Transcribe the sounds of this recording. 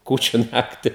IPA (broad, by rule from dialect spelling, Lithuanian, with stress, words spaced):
ˈkuːt͡ʃʲʊ ˈnɑːktʲɪ